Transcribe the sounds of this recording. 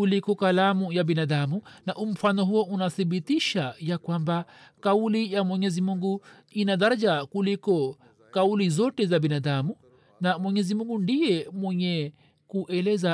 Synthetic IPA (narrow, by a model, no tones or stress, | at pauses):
kulikɔkalamujabinadamunaʔum̩fanɔɦuɔʔunaθibitiʃajakwambakaulijamwɛɲɛzimuŋɡu | inaðaɾad͡ʒakulikɔ | kaulizɔtɛzabinadamu | namwɛɲɛzimuŋɡundijɛmwɛɲɛ | kuʔɛlɛza